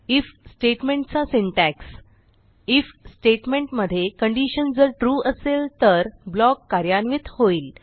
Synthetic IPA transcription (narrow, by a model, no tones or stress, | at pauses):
ifsʈeʈmẽɳʈ̚t͡sasiɳʈæks | ifsʈeʈmẽɳʈməd̪ʱːjekəɳɖiɕənd͡zəɾʈɾuːʔəselt̪əɾblɔkːaɾjanʋit̪hoiːl